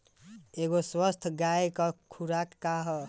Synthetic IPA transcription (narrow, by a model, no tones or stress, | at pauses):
eɡoswəst̪ʰɡajkɔkʰuɾakːaɦɔ